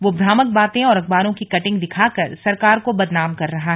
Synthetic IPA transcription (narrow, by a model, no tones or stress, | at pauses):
ʋoːbʱɾaːmək̚baːt̪ẽɔːɾɐk̚baːɾõkikɐʈɪ̃ŋɡd̪ɪkʰaːkɐɾsɐɾkaːɾkobɐd̪naːmkɐɾːɐɦaɦɛ